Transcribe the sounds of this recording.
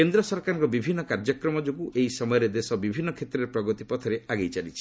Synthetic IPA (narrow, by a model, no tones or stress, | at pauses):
kend̪ɾɔsɔɾkaɾɔŋkɔbibʱinːɔkaɾd͡ʒɔkɾɔmɔd͡ʒokuʔeisɔmɔjɔɾed̪esɔbibʱinːɔkʰet̪ɾeɾpɾɔɡɔt̪ipɔt̪ʰɔɾeʔaɡejt͡ʃalit͡ʃʰi̥